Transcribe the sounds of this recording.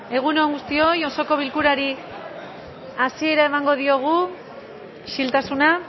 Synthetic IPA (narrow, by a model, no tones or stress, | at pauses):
e̞ɣ̞unoaŋɡust̪io̞jo̞so̞ko̞βilkuɾaɾi | asie̞ɾaemaŋɡo̞ð̞io̞ɣ̞u | ʃilt̪asuna